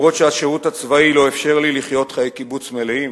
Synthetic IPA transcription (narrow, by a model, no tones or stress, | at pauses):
ʁo̞t̪ʃeaʃeʁutat͡svailo̞efʃe̞ʁliliχjo̞tχajekibut͡smeleim